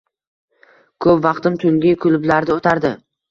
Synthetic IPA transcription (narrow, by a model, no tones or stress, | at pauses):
kʰɵpvɑqt̪ɪmt̪ʰʊŋɡʲɪkʰʊlʊblaɾd̪ɪot̪ʰaɾd̪ɪ